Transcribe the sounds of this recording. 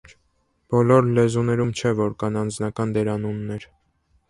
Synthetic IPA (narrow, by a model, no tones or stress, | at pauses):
b̥ɔlɔɾlɛzunɛɾumt͡ʃʰɛvɔɾkɑnɑnd͡znɑkɑnd̪ɛɾɑnunːɛɾ